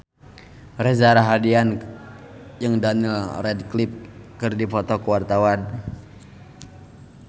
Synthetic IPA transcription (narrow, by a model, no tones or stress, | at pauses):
rɛzaɾaɦadian | jəŋdanilrɛdklip̚kɨrdipɔt̪ɔkəwart̪awan